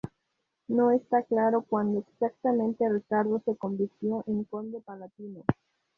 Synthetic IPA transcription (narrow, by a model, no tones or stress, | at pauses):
no̞est̪aklaɾokwand̪oeksak̚t̪amẽnt̪erikaɾðose̞ko̞mbiɾt̪jo̞ʔeŋkond̪opalat̪ino